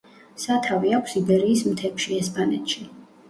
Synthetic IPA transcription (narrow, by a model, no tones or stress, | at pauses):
sat̪ʰaviakʷʰsibɛɾiːsmt̪ʰɛpʃiɛspʼanɛt̪ʰʃi